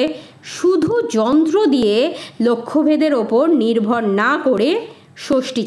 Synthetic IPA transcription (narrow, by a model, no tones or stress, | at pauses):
ʃud̪ʱud͡ʑɔnt̪ɾod̪ijelokʰːobʱed̪eɾopoɾniɾbʱoɾnakoɾe | ʃoʃʈit͡ɕ